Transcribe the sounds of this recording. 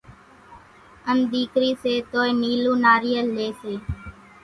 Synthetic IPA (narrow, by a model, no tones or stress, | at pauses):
əmd̪iːkɾiːseːt̪oːeniːluːnaːɾijəlːeːseː